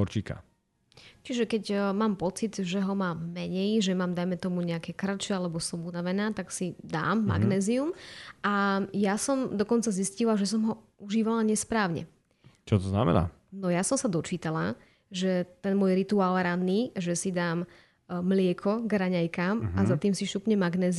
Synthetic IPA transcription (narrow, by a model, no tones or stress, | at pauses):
ɦɔɾt͡ʃika̰ | t͡ʃiʒɛkɛɟmaːmpɔt͡sid̪ʒɛɦɔmaːmːɛɲɛjʒɛmaːmd̪ajmɛt̪ɔmuɲɛakɛkrat͡ʃɛalɛbɔsɔmunaʋɛnaːt̪aksid̪a̰ːmːa̰ɡnɛːziumʔajasɔmd̪ɔkɔnt͡saziscilaʒɛs̬ɔmɦɔuʒiːʋalaɲɛspɾaːʊɲɛ̰ | t͡ʃɔt̪ɔzna̰mɛ̰na̰ː | nɔjasɔmsad̪ɔt͡ʃiːt̪ala | ʒɛt̪ɛnmʊwɔjɾit̪uaːlˠɾad̪ːiːʒɛsid̪aːmː | lɪɛkʰɔɡɾaɲajkaːmazat̪iːmsiʃupɲɛmaɡnɛːz